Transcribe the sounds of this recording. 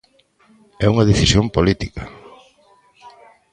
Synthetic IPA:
ɛuŋɐðefisjompolit̪ika

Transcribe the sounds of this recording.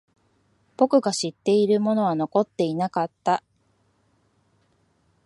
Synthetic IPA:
b̥o̞kɯ̟ɡaɕit̪ːe̞iɾɯ̟mo̞no̞β̞ano̞ko̞t̪ːe̞inakat̪ːa

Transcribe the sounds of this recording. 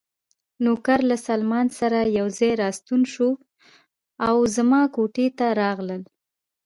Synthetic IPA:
nokaɾlasalmɑnsaɾajawzɑjɾɑst̪unʃo | awzmɑkoʈet̪aɾɑɣləl

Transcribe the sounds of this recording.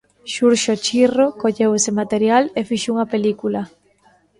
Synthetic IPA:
ʃuɾʃot͡ʃirokoʎewesɪmat̪eɾjalefiʃouŋɐpelikulɐ

